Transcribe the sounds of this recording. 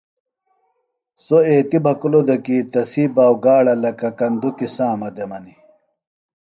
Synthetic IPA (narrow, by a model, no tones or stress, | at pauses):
soeːt̪ibɐkulod̪ɐkiːt̪ɐsiːbaːwɡaːɽɐlɐkɐkɐnd̪ukisaːmɐd̪emɐni